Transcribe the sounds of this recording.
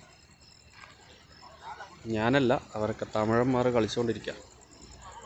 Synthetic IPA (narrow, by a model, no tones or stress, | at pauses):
ɲaːnɐlːɐɐʋɐɾokːe̞t̪ɐmiɻɐmːaːrɨkɐɭit͡ɕːukoɳɖiɾikʲːa̰